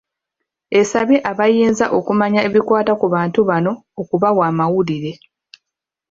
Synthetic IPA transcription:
e̞saβiʔaβajiːnzaʔo̞kumaɲae̞βikwaːtakuβaːntuβano̞ːkuβawaːmawuliɾe̞

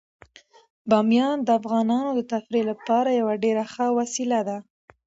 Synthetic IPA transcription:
bɑmjɑnd̪əafɣɑnɑnod̪ət̪afɾelapɑɾajawaɖeɾaxəwasilad̪a

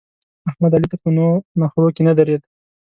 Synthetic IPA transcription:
ahmad̪alit̪apənonaxɾokenad̪aɾed̪

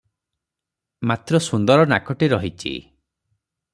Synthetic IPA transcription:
mat̪ɾɔsund̪ɔɾɔnakɔʈiɾɔɦit͡ʃʰḭ

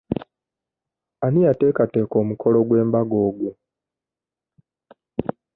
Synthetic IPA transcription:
aniate̞ːkateːko̞ːmuko̞loɡwe̞ːmbaɡo̞ːɡwu

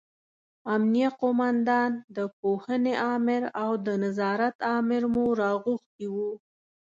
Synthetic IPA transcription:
amnijaqomɑnd̪ɑnd̪əp̚ohəneʔɑmɪɾawd̪ənazɑɾat̪ɑmɪɾmuɾɑɣuxt̪iwu

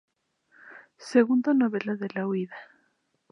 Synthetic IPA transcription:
seɣund̪onoβelaðelawiða

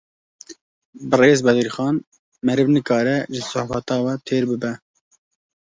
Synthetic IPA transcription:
bɨreːzbɛd̪iɾxɑːn | mɛɾɨvnɨkɑːɾɛʒɪsʊħfɛt̪ɑːwɛt̪ʰeːɾbɨbɛ

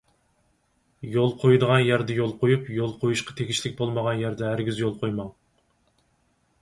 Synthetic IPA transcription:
jolˠqʰojd̪əʁɑnjæɾd̪ɛjolˠqʰojupjolˠqʰojuʃqʰɑ̥t̪ʰekʲiʃlɪkʲbolˠməʁɑnjæɾd̪ɛæɾɡʲyzjolˠqʰojmɑŋ

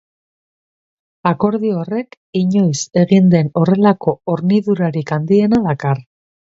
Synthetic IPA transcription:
ako̞ɾðiore̞k | iɲo̞jse̞ɣind̪e̞no̞re̞lako̞oɾniðuɾaɾikand̪ie̞naðakar

